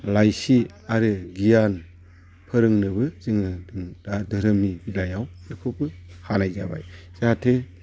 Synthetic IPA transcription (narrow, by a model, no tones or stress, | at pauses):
lajsi | aɾɯɡijan | pʰɯɾɯŋnɯβɯzɯŋɯdɯŋdadɯɾɯmibilajawɯkʰupɯhanajzaba̰jz̥atʰɯ